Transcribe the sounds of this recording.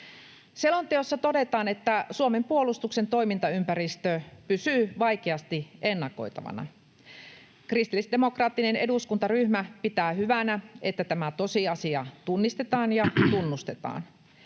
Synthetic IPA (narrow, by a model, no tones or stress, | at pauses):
selont̪eosːɑt̪o̞de̞t̪ɑːne̞t̪ːæsuome̞mpuolust̪ukse̞nt̪o̞imint̪ɑympæɾist̪øpysyːʋɑjkeɑst̪ie̞nːɑko̞̰jt̪ɑ̰ʋɑ̰nɑ̰ | krist̪ilːisdemokrɑːt̪ːine̞ne̞duskunt̪ɑryhmæpit̪æːhyʋænæet̪ːæt̪æmæt̪o̞siɑsiɑt̪unːist̪e̞t̪ɑːnjɑt̪unːust̪e̞t̪ɑ̰ːn